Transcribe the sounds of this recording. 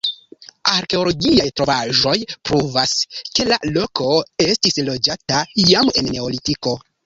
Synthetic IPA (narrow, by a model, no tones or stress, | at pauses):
aɾke̞olo̞ɡiajtɾo̞vaʒo̞jpɾuvaske̞la̰lo̞ko̞e̞stislo̞d͡ʒataijame̞̰nːe̞olitiko̞